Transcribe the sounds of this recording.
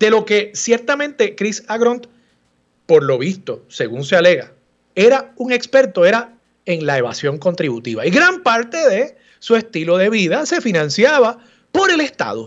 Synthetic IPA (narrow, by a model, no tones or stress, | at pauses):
d̪̥e̞lo̞ke̞sje̞ɾt̪amẽ̞nt̪e̞kɾisaɣɾont̪ | po̞ɾlo̞βist̪o̞se̞ɣuŋseale̞ɣɾa̰ | e̞ɾauŋe̞kspe̞ɾt̪o̞e̞ɾa | eŋlae̞βa̰sjo̞ŋko̞nt̪ɾiβut̪ḭβa̰iɣɾampaɾt̪e̞ðe̞ | sue̞st̪ilo̞ðe̞βiðase̞finãnsjaβa | po̞ɾe̞le̞st̪a̰ðo̰